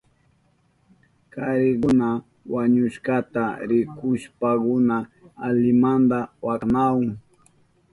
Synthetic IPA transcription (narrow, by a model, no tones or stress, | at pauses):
kaɾɪkʊna | waɲʊʃkat̪aɾɪkʊʃpakʊnaːlɪmand̪awaknawʊŋ